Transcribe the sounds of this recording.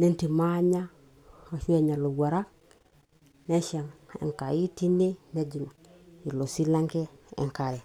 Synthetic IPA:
ne˦nti˨ma˦ɲa˦˨ | ʃu˦e˨ɲa˨lo˨ɡʷa˨ɾa˦k | ne˦ʃa˨ŋḛ˨ŋka˨ji˦ti˦nːe˦ne˦d͡ʒi˨n˨ | i˨lo˨si˦la˦ŋke˦ḛ˨ŋka˨ɾe˨

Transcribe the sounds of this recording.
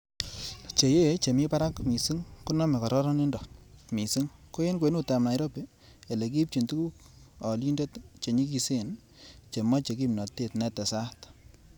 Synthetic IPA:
t͡ʃe˨je˦t͡ʃe˨mi˦pa˦ɾa˦kmi˨si˦ŋku˦nɔ˦mɛ˨kɔ˨ɾɔ˦ɾɔ˦ni˦ndɔ˨mi˨si˦ŋko˦je˦nkwe˨˦nu˦ta˨mna˨jɾo˦pe˦ | e˨le˨k̬i˦p̚t͡ʃi˨ntu˦ku˦k | ɔ˨li˦nde˦tt͡ʃe˨ɲi˦k̬i˨se˦˨n | t͡ʃe˨mɔ˦t͡ʃe˨k̬i˦mnɔ˨tːe˦tnɛ˦˨tɛ˨sa˦t

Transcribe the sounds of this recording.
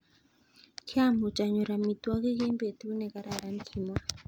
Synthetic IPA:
kʰja˦mu˨t͡ʃʼa˨ɲɔ˨ɾa˨mi˨t̪wa˦ki˦kɛ˦mbe˨t̪u˦nɛ˨ka˨ɾa˨ɾa˦nkʰi˨mwa˦

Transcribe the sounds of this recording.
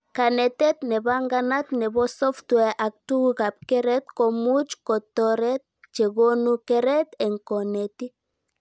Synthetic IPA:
ka˨nɛ˨t̪ɛ˦t̪nɛ˨βa˦ŋɡa˦na˦t̪nɛ˨βɔ˦sɔ˦ftwɛ˨ʔa˨k̚tu˦ɣa˨p̚kɛ˦ɾɛ˦t̪kɔ˨mu˦t͡ʃkɔ˨t̪ɔ˨ɾɛ˦t̪̚ | t͡ʃe˨ɣo˦nu˦kɛɾɛ˦t̪ɛ˨ŋkɔ˨nɛ˨ti˦

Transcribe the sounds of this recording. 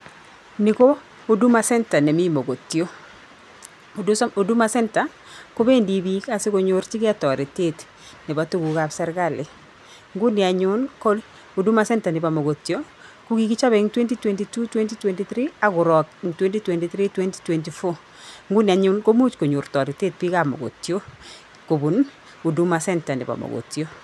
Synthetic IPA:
ni˨ko˦ | o˦du˦ma˨sɛ˦nta˨nɛ˨mi˦mo˨ɡo˨tːi˨o˦ | o˨du˦o˨du˦ma˨sɛ˦nta˨ | ko˦be˦ndi˨bi˦ka˨sɪ˦ko˨˦ɲo˦ɾt͡ʃi˦kɪ˦a˦tɔ˨ɾe˨te˦t | nɪ˨ba˨to˦ɡu˨ka˨bsɛ˦ɾɡa˦˨lɪ˨ | ŋɡu˦nɪ˨a˨ɲʊ˦nko˦ | o˨du˦ma˨sɛ˦nta˨nɪ˨ba˨mo˨ɡo˨tjo˦ | ku˦ki˦ki˦t͡ʃa˦βɛ˨ŋtwɛ˦nti˦twɛ˨nti˨tu˦twɛ˦nti˦twɛ˨nti˦θɾi˦a˦ɡʊ˨ɾɔ˨kŋtwɛ˦nti˦twɛ˨nti˨tɾi˦twɛ˦nti̥˦twɛ˨nti˨fo˦ | ŋɡu˦ni˨a˨ɲu˦nko˦mu˦t͡ʃko˨ɲo˨ɾtɔ˨ɾi˨te˦t̚pi˦ka˨mo̰˨ɡo̰˨tjo˦ | ko˨bu˨n | o˨du˦ma˨sɛ˦nta˨nɪ̰˨ba̰˨mo̰ɡo̰˨tjo˦

